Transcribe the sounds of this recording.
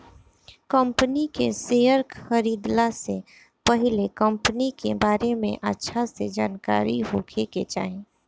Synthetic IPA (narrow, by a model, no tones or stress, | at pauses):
kəmpnikeseːjəɾkəɾiːd̪lase | pəɦɪlekɐ̃mpənikebaːɾemḛ̃ʔətːʃʰased͡ʒaːnka̰ːɾiɦokʰeket͡ʃa̰ːɦẽː